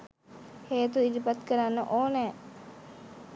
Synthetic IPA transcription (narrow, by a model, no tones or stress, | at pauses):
heːt̪uid̪ipat̪kəɾanːəʔoːnɛː